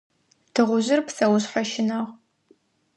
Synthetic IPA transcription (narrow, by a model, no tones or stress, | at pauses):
tʰɨʁʷʊʑɪrpsɐwʊɕħaʃɪnɐʁ